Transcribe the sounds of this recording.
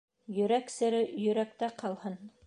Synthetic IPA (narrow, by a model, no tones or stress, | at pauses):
jɵ̆ɾæksɘ̆ɾɘjɵ̆ɾæk̚t̪æqɑlˠhɤn